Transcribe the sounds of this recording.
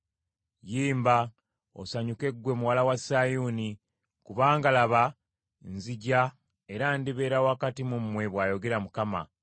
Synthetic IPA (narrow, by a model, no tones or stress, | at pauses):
jiːmba | o̰saɲuke̞ɡwe̞muwalawasajuːni | kuβaːŋɡalaβa | nziɟa | e̞ɾandiβe̞ːɾawakatimumːwe̞βwaːjo̞ɡe̞ɾamukama̰